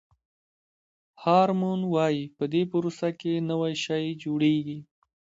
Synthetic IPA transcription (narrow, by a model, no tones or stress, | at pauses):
hɑɾmonwɑjipəd̪epəɾosakenəwajʃɑjd͡ʒoɽeɡi